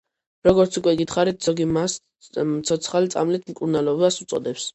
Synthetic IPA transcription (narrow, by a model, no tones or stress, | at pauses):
ɾɔɡɔɾt̪sʰukʼwɛɡit̪ʰχaɾit̪̚ʰz̥ɔɡimas | t̪sʰɔt̪sʰχalit̪sʼa̰mlit̪ʰmkʼuɾnalɔvasut̪sʼɔ̰d̪ɛps